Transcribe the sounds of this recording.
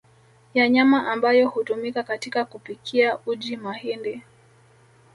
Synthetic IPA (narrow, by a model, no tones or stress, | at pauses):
jaɲamaʔambajɔhutumikakatikakupikʰiaud͡ʒimahindɛ